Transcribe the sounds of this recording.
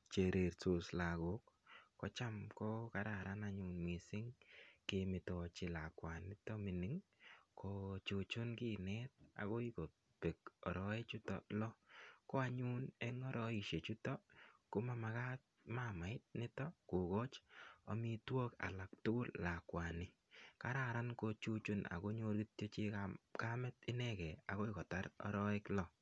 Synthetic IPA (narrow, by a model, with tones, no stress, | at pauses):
t͡ʃe˨ɾe˨ɾso˨sla˨ɡʊ˦kːɔ˦t͡ʃa˦mkɔ˦ka˦ɾa˨ɾanaɲʊnmi˨sɪ˦ŋkemɪ˨tɔ˨t͡ʃɪ˨la˨kwanːɪ˦tɔ˦mɪ˨nɪ˦ŋ | kɔ˨t͡ʃo˨t͡ʃo˦nkɪ˦nɛ˦t̚a̰˨ɣo˦i˦ko˨ | pe˨kɔ˨ɾɔe˦t͡ʃʊ˦tɔ̰lɔ˦kɔ˦a˦ɲu˦neŋɔ˦ɾɔ˦i˨ʃe˨t͡ʃu˦tɔ˦kʊ˦ma˦ma˨ka˦t̚ma˦ma˨ɪ˦t̚nɪ˦tɔ˦ko˨ɣo˦t͡ʃɔ˨mi˦two˦ka̰˨la˨ktʊ˦ɡʊ˦lːa˨kwa˨nɪ˨ | ka˦ɾaɾa˦nko˧t͡ʃu˦t͡ʃu˦na̰˨ko˦ɲo˦ɾɡi˦tt͡ʃo˦t͡ʃi˦kakamɛ˦tɪ˦nɛkɛ˨a˨ko˦i˨kɔ˨ta˦ɾɔ̰˦ɾɔ˦ɪ˦klɔ˦